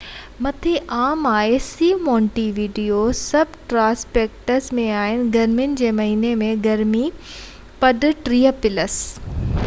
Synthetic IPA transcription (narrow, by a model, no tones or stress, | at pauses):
mɐt̪ʰeʔaːmaːesiːmɔ̃ːɳʈiʋiːɖijosɐbʱʈɾãːspeːk̚ʈəɾsmẽaːɦɪnɪ̆ɡɐɾmijʊnɪ̆d͡ʑeːmɐɦiːnemẽɡɐɾmi | pɐɖʊʈɾiːəpɪləs